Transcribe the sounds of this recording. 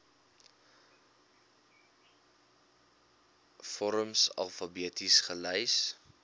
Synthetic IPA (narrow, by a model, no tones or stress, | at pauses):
fɔɾəmsɐ̰lˠfɐbiətisχələjs